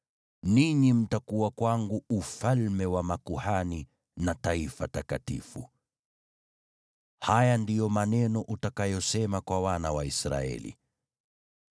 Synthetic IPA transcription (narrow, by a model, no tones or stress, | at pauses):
niɲim̩takuwakwaŋɡuufalmɛwamakuhani | nataifatakatḭfṵ | hajandijɔmanɛnɔʔutakajɔsɛmakwawanawaisɾa̰ɛ̰lḭ